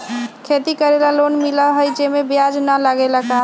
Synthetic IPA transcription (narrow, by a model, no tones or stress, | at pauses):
kʰet̪ikəɾelalonmilaɦojd͡ʒemebjad͡ʒnalaɡelaka